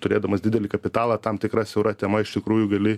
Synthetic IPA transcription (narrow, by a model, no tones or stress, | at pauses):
t̪ʊɾʲeːd̪ɐmɐsd̪ʲɪd̪ʲɛlʲɪkɐpʲɪt̪ɑːlˠɑːt̪ɐmt̪ʲɪkɾɐsʲɛʊɾɐt̪ʲɛmɐɪʃt̪ʲɪkɾuːjʊɡɐlʲɪ